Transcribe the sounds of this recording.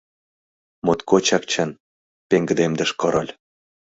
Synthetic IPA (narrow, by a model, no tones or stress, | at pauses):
mot̪kot͡ɕɑk̚t͡ɕɑn | peŋɡə̆d̪emd̪ə̆ʃkɤ̆ɾɤlʲ